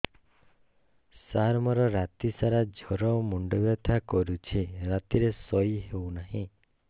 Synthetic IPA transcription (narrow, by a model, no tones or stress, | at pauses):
saɾmɔɾɔɾat̪isaɾad͡ʒʱɔɾɔmuɳɖɔbjɔt̪ʰakɔɾut͡ʃʰiɾat̪iɾesɔjɦewnaɦĩ